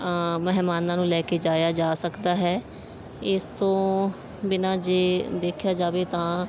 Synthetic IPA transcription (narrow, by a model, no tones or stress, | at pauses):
mɛɦmaːnãːnũːlɛːkeːd͡ʒaːjaːd͡ʒaːsəkd̪aːɦɛː | ɪst̪õː | bɪnãːd͡ʒeːd̪eːkʰjaːd͡ʒaːʋeːt̪ãː